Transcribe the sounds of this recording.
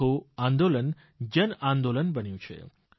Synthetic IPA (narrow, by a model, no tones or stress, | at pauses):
oãːnd̪olən | d͡ʒənãːnd̪olənbənjũt͡ʃʰḛ